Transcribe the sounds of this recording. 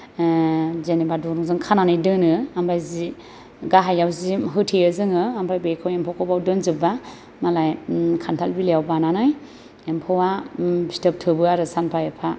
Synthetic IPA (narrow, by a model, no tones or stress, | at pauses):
zenebadɔɾuŋzɯŋkʰananajdɯnɯambʰajzi | ɡaɦajawziɦɯtʰiɯzɯŋɯambajbejkʰawempʰɔwkʰɔwbawdɯnzɯba | malajkʰantʰalbilejawbananaj | empʰɔwabi̥stɯp̚tʰɯbɯaɾɯsanpʰajepʰa